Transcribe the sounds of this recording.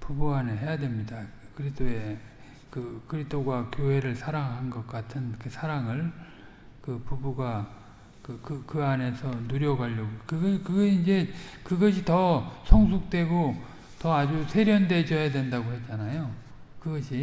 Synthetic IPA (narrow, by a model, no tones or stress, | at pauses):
pubuaneɦe̞jadwe̞mɲidakɯɾist͈ʰoe̞ | kɯkɯɾist͈ʰoɡwakjoɦe̞ɾɯɭsʰaɾaŋɦanɡʌk̚k͈atʰɯnkɯsʰaɾaŋɯɭ | kɯpubuɡa | kɯkɯkɯane̞sʰʌnuɾjʌɡaʎːʌɡokɯɡʌkɯɡʌɕiind͡ʑe̞kɯɡʌɕʰitʌsʰʌŋs̬ʰuk̚t͈we̞ɡo | tʌad͡ʑusʰe̞ɾjʌnde̞d͡ʑʌjadwe̞ndaɡohe̞t̚t͡ɕ͈anajo | kɯɡʌɕʰi